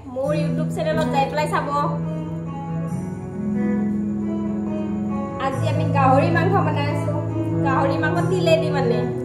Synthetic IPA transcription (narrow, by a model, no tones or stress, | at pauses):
mʊɹjutupsɛnɛlɔtzajplajsabɔ | aziamiɡaɦoɹimankʰɔmanajasʊ̃ɡaɦoɹimanɔtdilenimanɛ